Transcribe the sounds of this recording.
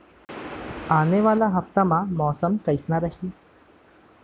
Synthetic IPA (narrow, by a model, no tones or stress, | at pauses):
aːneʋaːlaɦəft̪amãmɔːsəmkəjsnaɾəhiː